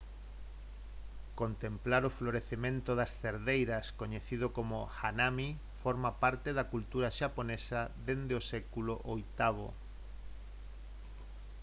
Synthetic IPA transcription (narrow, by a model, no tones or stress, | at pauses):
kont̪emplaɾofloɾeθemẽnt̪oðɐsθeɾðejɾɐskoɲeθið̞okomʊxanami | foɾmapaɾt̪eðakult̪uɾaʃaponesaðend̪eosɛkuloʔojt̪aβ̞o̰